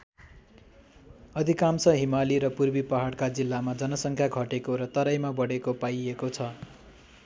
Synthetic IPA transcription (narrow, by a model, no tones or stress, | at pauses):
ʌd̪ʱikamsʌɦimaliɾʌpurbipʌɦaɽkad͡zilːamad͡zʌnʌsʌŋkʰjaɡʱʌʈekoɾʌt̪ʌɾajmabʌɽekopajekot͡sʰʌ